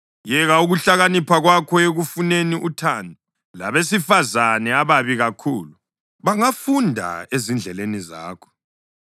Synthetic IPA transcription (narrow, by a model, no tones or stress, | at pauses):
jɛɣauɣuɬaɣanipʰaɣwakʰɔeɣufuneniʔutʰaːndʱu | la̰βes̬ifazanɛaβaβiɣakʰuːlu | βaŋafundʱa̰ezind͡ɮʱɛleniza̰ːkʰɔ̥